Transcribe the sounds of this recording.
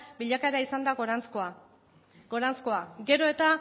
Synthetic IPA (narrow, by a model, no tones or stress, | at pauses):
biʎakaɾaisand̪aɣoɾanskoa | ɡo̞ɾansko̞aɡe̞ɾo̞e̞t̪a